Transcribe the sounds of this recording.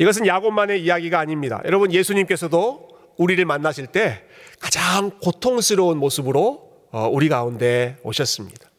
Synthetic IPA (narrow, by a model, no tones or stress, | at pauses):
iɡʌs̬ʰɯnjaɡomːane̞ijaɡiɡaːɲimɲida̰jʌɾʌbɯnje̞sʰuɲimk͈e̞sʰʌdo | uɾiɾɯɭmanːaɕʰiɭt͈e̞ | kad͡ʑaŋkotʰoŋsʰɯɾʌunmosʰɯbɯɾo | ʌuɾiɡaunde̞o̰ɕʰʌs͈ɯmɲid̥ḁ